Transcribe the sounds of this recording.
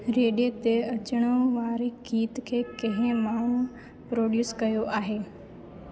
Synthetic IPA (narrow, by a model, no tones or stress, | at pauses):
ɾeːɗet̪eɐt͡ʃəɽ̃õʋaːɾikʰiːt̪kʰeːkɐɦɪ̃maːɳ̤ũ | pɾoːɖjuːskɐjoʔaːɦeː